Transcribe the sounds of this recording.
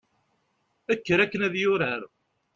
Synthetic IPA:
ækːəɾækːənæðjʊɾəɾ

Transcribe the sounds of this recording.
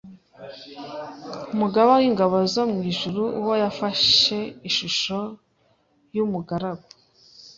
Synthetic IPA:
umuɡaβowiŋɡaβozomŋiːʒuɾuuwo̞jafaʃe̞iʃuʃo̞ | jumuɡaɾaɡo̥

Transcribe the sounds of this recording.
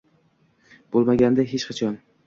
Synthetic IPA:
b̥olˠmaɡʲand̪aɦet͡ʃqʰɑt͡ʃʰɒn

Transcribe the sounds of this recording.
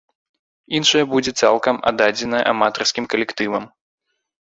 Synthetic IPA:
inʂɐjɐbud͡zʲɛt̪sa̰lˠkɐma̰d̪ad͡zʲɛnɐ̰ʔamat̪ɐrskʲimkɐlʲɛkt̪ɨvɐm

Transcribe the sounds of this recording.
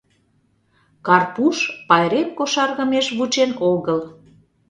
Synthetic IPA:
kɑrpuʃpɑjɾep̪̚koʃɑrɣə̆meʃβut͡ɕenoɣəl

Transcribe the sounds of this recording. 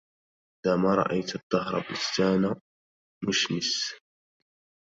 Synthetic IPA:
ʔɪd̪aːmaɾˤɑ̰ʔajt̪d̪ˤːɑɦɾˤɑ̰bɪst̪aːna | mʊʃmɪs

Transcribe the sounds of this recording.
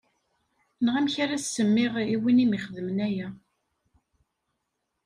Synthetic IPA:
nʁæmçaɾæssːəmːɪʁiwinimiχðəmənæjæ

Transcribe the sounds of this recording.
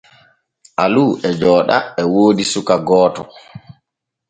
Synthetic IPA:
ʔaluːʔɛd͡ʒɔːɗa̰ɛwoːdisukaɡɔːtɔ

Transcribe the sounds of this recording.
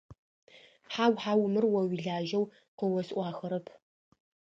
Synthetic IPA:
ħaːwħaːwmɨrwɐwiɮaːʒɐw | qəwɔsʔʷɑːxɐɾɐpʰ

